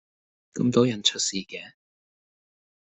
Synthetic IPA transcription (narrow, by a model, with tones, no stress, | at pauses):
kɐ̰˧˥mt̪o˨˥wjɐ˨˩nt͡ʃʰɵ˥t̚siː˨˩kɛː˨˧